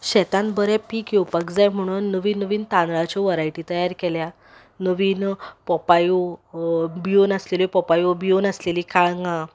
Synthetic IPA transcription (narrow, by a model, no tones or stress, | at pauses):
ɕɛt̪ãnbəɾɛ̃pikjɔpəkd͡zajm̤əɽ̃uːnːəʋiːnːəʋiːnt̪ãnd̪ɾat͡ɕɔʋəɾajʈit̪əjaɾkɛlja | nəʋiːnpɔpajo | bionəslelipɔpajobionəslelikaɭŋɡã